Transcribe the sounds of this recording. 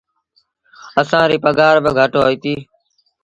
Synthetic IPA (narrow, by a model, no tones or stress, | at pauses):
əsãːɾiːpəɡaːɾbəɡʱəʈoːɦiːt̪iː